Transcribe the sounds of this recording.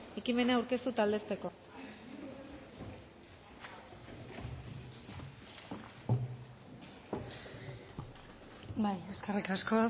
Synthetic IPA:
e̞kime̞naːuwɾke̞st̪ut̪ald̪e̞st̪e̞ko̞ | bajeskerikaskoa

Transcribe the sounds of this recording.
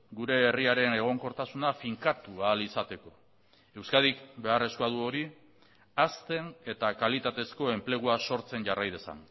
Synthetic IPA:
ɡuɾe̞ːriaɾe̞ne̞ɣ̞o̞ŋko̞ɾt̪asunafiŋkat̪ualisat̪e̞ko̞ | e̞wskað̞ikbe̞are̞skuaðuo̞ɾi | ast̪e̞ne̞t̪akalit̪at̪e̞sko̞e̞mple̞ɣ̞uaso̞ɾt͡se̞nʝarajð̞esa̰n

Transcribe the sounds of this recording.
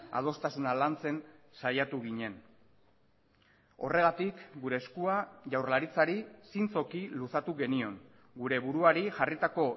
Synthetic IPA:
a̰ð̞o̞st̪asunalant͡se̞n | sajat̪uɣiɲe̞n | o̞̰re̞ɣ̞at̪ikɡuɾe̞ːskuaʝawrlaɾit͡saɾisint͡so̞kilusat̪uɣe̞nio̞ŋ | ɡuɾe̞βuɾuaɾiʝarit̪ako̞

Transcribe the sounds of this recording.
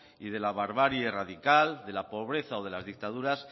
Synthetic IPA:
ið̞e̞laβ̞aɾβaɾjeraðikald̪e̞lapo̞β̞ɾe̞θao̞ðe̞lazðik̚t̪aðuɾas

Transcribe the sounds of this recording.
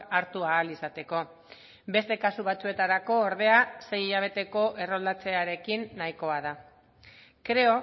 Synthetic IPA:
aɾt̪uaːlisat̪e̞ko̞ | be̞st̪e̞kasuβ̞at͡sue̞t̪aɾako̞ːɾðe̞ase̞jiʎaβ̞e̞t̪e̞ko̞ʔe̞ro̞ld̪at͡se̞aɾe̞kinːajko̞aða | kɾe̞o̞

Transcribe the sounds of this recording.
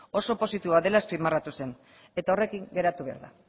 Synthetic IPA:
o̞so̞po̞sit̪iβoaðe̞laespimarat̪use̞n | e̞t̪ao̞re̞kiŋɡe̞ɾat̪uβe̞a̰ɾða̰

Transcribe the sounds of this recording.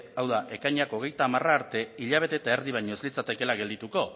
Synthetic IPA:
awðaʔe̞kajɲako̞ɣ̞e̞jt̪aːmaraːɾt̪e̞iʎaβ̞e̞t̪e̞t̪aeɾðiβ̞ajɲo̞ezlit͡sat̪e̞ke̞laɣe̞ld̪it̪uko̞

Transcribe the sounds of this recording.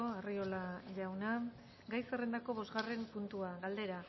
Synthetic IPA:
oario̞laʎawna | ɡajsere̞nd̪ako̞βo̞zɣare̞mpunt̪uaɣald̪e̞ɾa

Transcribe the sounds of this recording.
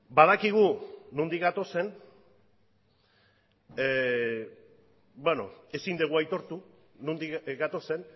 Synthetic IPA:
baðakiɣ̞unond̪ikɡat̪o̞se̞n | bweno̞e̞sind̪eɣuajt̪o̞ɾt̪u | nond̪iɡat̪o̞se̞n

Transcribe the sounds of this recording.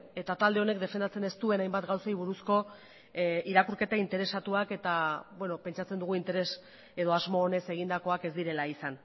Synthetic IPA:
e̞t̪at̪ald̪e̞o̞ne̞kd̪e̞fend̪at͡se̞ne̞st̪ue̞najmbat̪ɡawsajβ̞uɾusko̞ | iɾakuɾke̞t̪aint̪e̞ɾe̞sat̪uake̞t̪abwe̞no̞pe̞nt͡ʃat͡sed̪uɣuint̪e̞ɾe̞s | e̞ð̞o̞azmo̞ːne̞se̞ɣind̪ako̞ake̞zd̪iɾe̞laisan

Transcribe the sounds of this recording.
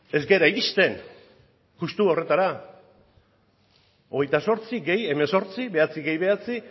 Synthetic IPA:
e̞zɡe̞ɾaiɣist̪e̞n | kust̪uo̞re̞t̪aɾa | o̞ɣ̞e̞jt̪aso̞ɾt͡siɡe̞je̞meso̞ɾt͡siβe̞at͡siɣe̞jβe̞at͡si

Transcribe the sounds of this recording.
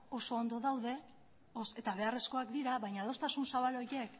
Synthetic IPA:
o̞so̞ːnd̪o̞ðawðe̞ | ose̞t̪aβ̞e̞are̞sko̞akd̪iɾaβajɲaðo̞st̪asunsaβalo̞je̞k

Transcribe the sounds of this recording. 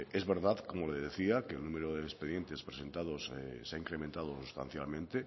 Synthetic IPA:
ezβeɾðaðkomoleeðeθiakelnũmeɾoðeːspeðje̞nt̪e̞spɾesẽ̞nt̪aðosseaiŋkɾemẽnt̪að̞osust̪a̰nθjalmẽnt̪e

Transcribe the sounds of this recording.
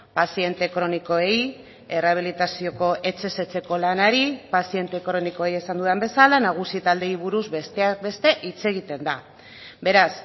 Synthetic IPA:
pasie̞nt̪e̞kɾo̞niko̞ej | e̞raβ̞ilit̪asio̞ko̞ʔe̞t͡ʃe̞se̞t͡se̞ko̞lanaɾipasie̞nt̪e̞ːkoɾo̞niko̞eje̞sand̪uðeambe̞salanaɣ̞usit̪ald̪e̞iβ̞uɾuzbest̪eakbe̞st̪e̞ʔit͡se̞ɣ̞it̪e̞nd̪a | be̞ɾas

